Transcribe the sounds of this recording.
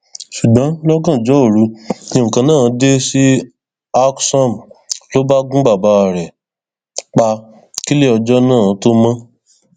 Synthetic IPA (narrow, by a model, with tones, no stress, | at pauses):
ʃu˨ɡ͡bã˨˦lɔ˦ɡã˦˨d͡ʒɔ˨˦o˦˨ɾu˨˦nĩ˧ũ˨kã˨˧nãː˦˨˦de˦si˦ | a˦ksɔ̃˦˨mlo˦ba˦ɡũ˦ɡ͡ba˦˨ba˨˧˦a˨ɾɛ˨ | k͡pa˧ | ki˦le˦ɔ˧d͡ʒɔ˦nãː˦˨˦to˦mã˦